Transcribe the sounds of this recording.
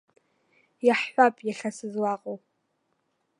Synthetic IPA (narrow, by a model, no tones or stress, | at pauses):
jaħħʷapʼjaɬasɨzwaqʼow